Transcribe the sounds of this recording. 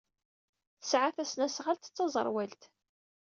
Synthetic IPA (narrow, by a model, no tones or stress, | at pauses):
θəsʕaθæsnæsʁalt̪ə̥t͡sːɑzˤə̰ɾˤwælt̪